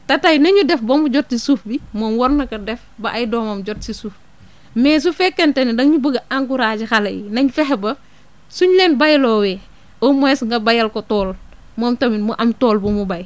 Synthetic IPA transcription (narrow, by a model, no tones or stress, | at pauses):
tɐtajnɐɲudɛfbɐmuɟɔt̚sisufbimɔmwɔɾnɐkɐdɛfbɐʔajdɔːmɐmɟɔtsisuf | mɛːs̬ufɛkːɛntɛnidɐŋɲubəɡɐʔaŋɡuɾaːɟixɐlɐ̰jḭnɐɲfɛɦɛbɐ | suɲlɛnbajlɔːwɛː | ɔmɔɛsŋɡɐbajɐlkɔtɔːl | mɔmtɐminmuʔɐmtɔːlbumubaj